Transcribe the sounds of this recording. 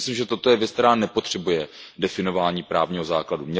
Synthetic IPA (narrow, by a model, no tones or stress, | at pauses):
slimʒɛt̪o̞t̪ojɛvjɛt͡stkt̪ɛɾaːnɛpo̞t̪r̥ɛbujɛdɛfɪno̞vaːɲiːpɾaːvɲiːɦo̞zaːkladumɲɛ